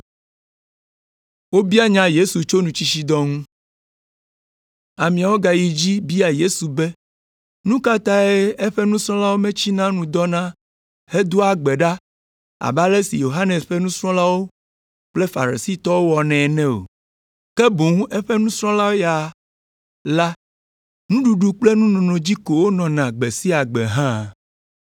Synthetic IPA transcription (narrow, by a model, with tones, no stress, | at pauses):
wo˦bi˦a˦ɲã˦je˦su˨t͡ʃo˦nũ˨t͡ɕi˦ʃi˦d̪ɔ˦ŋũ˦ | a˨mĩ˨a˨wo˦ɡa˨ji˨d͡ʑi˦bi˦a˨je˦su˨bɛ˦ | nũ˦ka˦t̪a˦e˦e˦ɸɛ˦nũ˦sɾ̃ɔ̃˦la˦wo˦mɛ̃˦t͡ɕi˦nã˦nũ˨d̪ɔ˦nã˦ | he˦d̪u˦a˦ɡ͡bɛ˨ɖa˦ | a̰˨ba˦le˦si˨jo˨ɦa˦ne˨sɸɛ˦nũ˦sɾ̃ɔ̃˦la˦wo˦ | k͡ple˦fa̰˨ɾi˨si˦t̪ɔ˦wo˦wɔ˨nɛ̃˨nɛ̃˦o̰˨ | kɛ˦bu˨ŋ˦ʔe˦ɸɛ˦nũ˦sɾɔ̃˦la˦wo˦ja˨ | la˦ | nũ˦ɖu˨ɖu˦k͡ple˦nũ˦nɔ̃˨nɔ̃˨d͡ʑi˦ko˨wo˦nɔ̃˨nã˨ɡ͡be˨si˦a˨ɡ͡bɛ̰˨ɦã˦